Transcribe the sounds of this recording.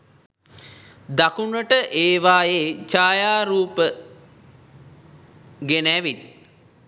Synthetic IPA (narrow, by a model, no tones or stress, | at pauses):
d̪akunəʈəʔeːʋaːjeːt͡ʃaːjaːɾuːpə | ɡenæʋit̪̚